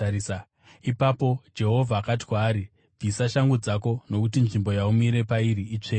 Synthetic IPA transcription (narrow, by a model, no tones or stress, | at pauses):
s | ipapo̞d͡ʒe̞ɦo̞vʱaːkati̥kwaːɾi | b͡visaʃaŋɡud͡zako̞no̞kut̬inʐimbo̞jaumiɾe̞paiɾiit͡ʂeː